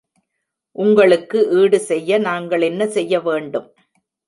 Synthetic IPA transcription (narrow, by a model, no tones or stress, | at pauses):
ʔʊŋɡɐɭɯkːɯʔiːɽɯsɛjːɐnaːŋɡɐɭɛnːɐsɛjːɐʋeːɳɖɯm